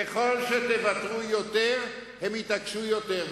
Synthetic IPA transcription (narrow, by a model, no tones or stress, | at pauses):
eχo̞lʃet̪evat̪ʁujot̪eʁhemit̪akʃujot̪eʁ